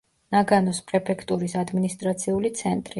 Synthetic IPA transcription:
naɡanɔspʼɾɛpʰɛkʰt̪ʼuɾisad̪minist̪ʼɾat̪sʰiulit̪sʰɛnt̪ʼɾi

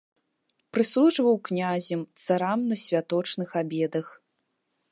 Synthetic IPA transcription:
pɾɨslˠuʐvɐwknʲazʲɛmt̪saɾamnɐsʲvʲat̪ɔt͡ʂnɨxabʲɛd̪ɐx

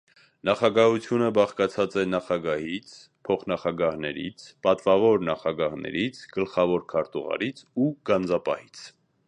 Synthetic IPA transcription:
nɑχɑɡɑɦut͡sʰjunəbɑχkɑt͡sʰɑt͡sɛnɑχɑɡɑhit͡sʰ | pʰɔχnɑχɑɡɑhnɛ̰ɾḭt͡sʰpɑt̪vɑvɔɾnɑχɑɡɑhnɛ̰ɾit͡sʰɡ̥əlχɑvɔɾkʰɑɾt̪uʁɑ̰ɾit͡sʰuɡ̥ɑnd͡zɑpɑ̰hit͡sʰ

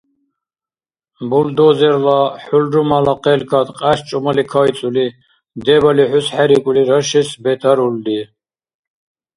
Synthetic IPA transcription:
buld̪ɔzɛɾlaħulɾumalaqʼɛlkʰat̪qʼæst͡ʃʼumalikʰaj̪t͡s̪ʼuli | d̪ɛbaliħusħæɾikʼuliɾaʃɛsbɛt̪ʰaɾuld̪i

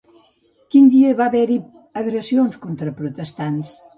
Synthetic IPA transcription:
kind̪iəβaβɛɾi | əɣɾəsionskont̪ɾəpɾut̪əst̪ans

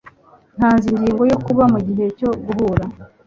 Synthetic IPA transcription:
n̥haːnzindiːŋɡo̞jo̞kuβamuɟiɦe̞co̞ɡuhuɾa

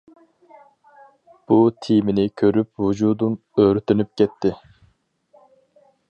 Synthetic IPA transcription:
b̥ut̪ʰimɪnɪkʲʰøɾypvud͡ʒud̪um | øːɾyt̪ynyp̚kʲʰɛt̪ʰːɪ

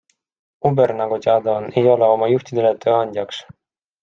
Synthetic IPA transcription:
ubeɾnɑɡ̥ut̪ʲeɑd̪ɑone̞jo̞leo̞mɑjuht̪id̪e̞let̪ø̞ːɑnʲd̪ʲjɑks

